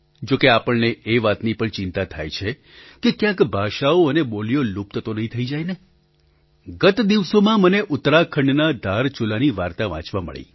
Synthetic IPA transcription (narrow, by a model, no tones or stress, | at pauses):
d͡ʒokeapəɭneeʋat̪nipəɳt͡ʃɪnt̪at̪ʰajt͡ʃʰe | kekjãkbʱaʃaoəneboljolup̚t̪ət̪onəɦĩt̪ʰəid͡ʒajne | ɡət̪d̪iʋsomãməneʔʊt̪ɾakʰəɳɖnad̪ʱaɾt͡ʃulaniʋaɾt̪aʋã̰t͡ʃʋamə̰ɭḭ